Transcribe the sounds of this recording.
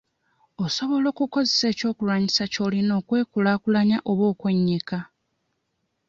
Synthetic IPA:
oso̞βo̞lo̞ːkuko̞zese̞ːco̞ːkuɾwaɲisaco̞lino̞ːkwe̞ːkulakulaɲaʔo̞βwo̞ːkweɲːika

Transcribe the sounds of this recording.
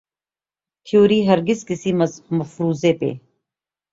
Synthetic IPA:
t̪ʰjoːɾiːɦɐɾɡɪzkɪsiːməfɾuːzeːpḛː

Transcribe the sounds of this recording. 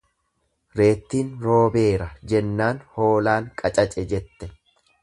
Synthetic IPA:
ɾe̞ːt̪ːiːnɾo̞ːbe̞ːɾɐd͡ʒɛnːaːnho̞ːlaːŋkʼɐt͡ʃʼɐt͡ʃʼɛd͡ʒɛt̪ːɛ

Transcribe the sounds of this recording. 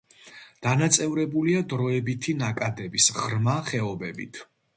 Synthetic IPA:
d̪̥anat̪sʼɛvɾɛbuliad̪ɾɔɛbit̪ʰinakʼad̪ɛbisʁɾmaχɛɔbɛbḭt̪ʰ

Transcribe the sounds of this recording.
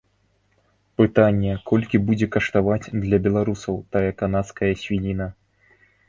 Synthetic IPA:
pɨt̪anʲːɛkʰɔlʲkʲibud͡zʲɛkɐʂt̪avat͡sʲd̪lʲɐbʲɛlˠaɾusɐwt̪ajɐkanat̪skɐjɐsʲvʲinʲinɐ

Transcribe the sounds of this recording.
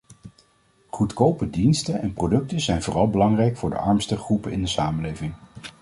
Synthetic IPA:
χutkowpədinstəɛnprodɵk̚təzɛjnvʊːrɑlˠbəlɑŋrɛjkfʊːɹdə̰ʔɑɹmstəχrupənɪ̰ndəsaːməlejvɪŋ

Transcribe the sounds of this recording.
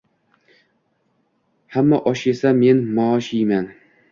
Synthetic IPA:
hamːaʔɒʃe̞same̞nmɒːʃijman

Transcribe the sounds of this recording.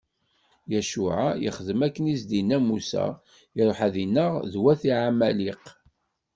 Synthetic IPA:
jæʃuʕajḭχəðəmækːənizd̪inæmusæ̰ | iɾˤoħæðinːəʁðwæθiʕamæliq

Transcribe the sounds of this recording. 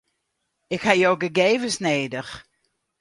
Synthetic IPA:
ɪkhajoːɡəɡeːvəsneːdəx

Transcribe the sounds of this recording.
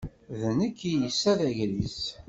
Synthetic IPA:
ðənəkːijəsæðæʝlis

